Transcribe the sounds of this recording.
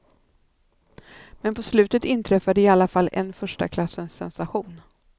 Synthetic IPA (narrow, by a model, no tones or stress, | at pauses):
mɛnpʰɔslʉ̟ːt̪ət̪ɪnt̪ʰɾɛfːad̪əɪalːafalːɛ̰nfœʂʈa̰kʰlasːənsːɛnsaɧuːn